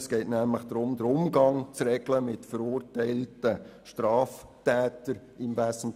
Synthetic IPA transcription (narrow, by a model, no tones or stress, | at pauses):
sɡ̥ɛɪtnæmləχd̥ɾʊmd̪əɾʊmɡɑŋt͡srɛɡ̥ləmɪtfəɾuːrtæɪltəʃtɾɑːftɛːtəɾ | ɪmvæsn̩